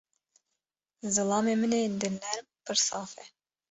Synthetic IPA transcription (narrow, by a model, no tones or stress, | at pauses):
zɨlˠɑːmemɨnend̪ɨnːæɾmpʰɨɾsɑːfɛ